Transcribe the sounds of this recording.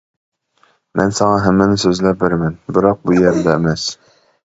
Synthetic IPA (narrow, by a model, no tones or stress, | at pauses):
mʔæ̰nsɑɴɑɦæmːænɘsɵzlæp̚bɘɾmænbɘɾɑq̚bujæɾd̪æɘmæs